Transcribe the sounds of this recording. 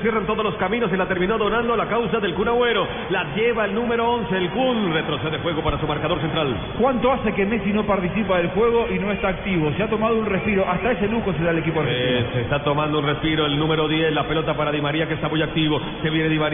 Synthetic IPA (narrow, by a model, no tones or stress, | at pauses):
sje̞rant̪o̞ðo̞loskamĩno̞silat̪e̞ɾmino̞ðo̞nãnd̪olakawsaðe̞lkunaweɾo | laʝeβaelnume̞ɾoonseːlkunret̪ɾoseðexwe̞ɣo̞paɾasumaɾkaðo̞ɾs̬ent̪ɾal | kwant̪o̞ase̞ke̞me̞sinopaɾt̪isipaðelxwe̞ɣ̞o̞ʔino̞e̞st̪aːk̚t̪iβo̞seat̪o̞mað̞ounrespiɾo̞ʔast̪ae̞se̞luxo̞s̬eðaele̞kip̬oeeiosest̪at̪o̞mãnd̪ounrespiɾoelnũme̞ɾo̞ðje̞slape̞lo̞t̪apaɾaðimaɾiakest̪amujak̚t̪iβo̞ | se̞βjeneðimaɾ